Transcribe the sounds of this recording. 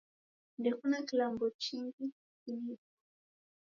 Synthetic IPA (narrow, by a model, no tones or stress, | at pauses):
ndɛkunakilambɔt͡ʃiŋɡi | kilipɔ̥